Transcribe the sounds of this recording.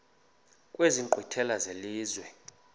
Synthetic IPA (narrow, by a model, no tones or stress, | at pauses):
kʼweziŋǃwitʰɛlazeliːzwɛ